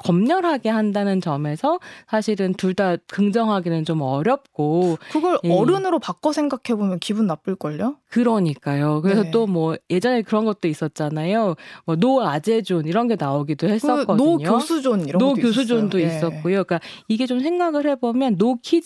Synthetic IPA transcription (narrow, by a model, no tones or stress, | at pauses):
kʌmɲʌɾɦaɡe̞ɦandanɯnt͡ɕʌme̞sʰʌsʰaɕʰiɾɯntuɭdakɯŋd͡ʑʌŋɦaɡenɯnt͡ɕomʌɾjʌp̚k͈okɯɡʌɾjeʌɾɯnɯɾopak͈osʰeŋɡakʰe̞bomjʌnkibɯnːap͈ɯɭk͈ʌʎːokɯɾʌɲik͈ajokɯɾe̞s̬ʰʌt͈omwʌje̞d͡ʑʌne̞kɯɾʌnɡʌt̚t͈ois͈ʌt̚t͡ɕ͈anajomwʌnoad͡ʑe̞d͡ʑoniɾʌnɡe̞naoɡidohe̞s͈ʌk͈ʌdoɲoosʰud͡ʑoniɾʌnokjos̬ʰud͡ʑondois͈ʌt̚k͈ojok͈aiɡe̞t͡ɕomsʰe̞ŋɡaɡɯɭɦe̞bomjʌnːokʰi